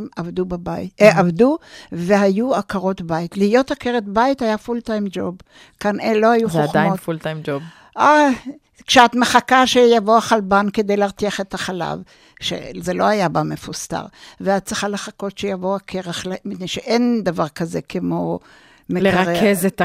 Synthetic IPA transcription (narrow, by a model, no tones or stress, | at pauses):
mavdubabaeavduve̞ɦajuakaʁo̞tbaitlihijo̞thakeʁet̪baithajafultajmd͡ʒob | kanelo̞hajuχeoad̪ajofult̪ajmd͡ʒob | ʔa | kʃeat̪meχakaʃejavoaχalbanked̪ejleaʁt̪iaχet̪aχala̰v | ʃḛzelo̞ajabamefusta̰ʁveat̚t͡seχaleχako̞tʃejavoakʰeʁaχlmitnejʃeʔend̪avaʁkaze̞kʰemo̞ | meleaʁekezet̪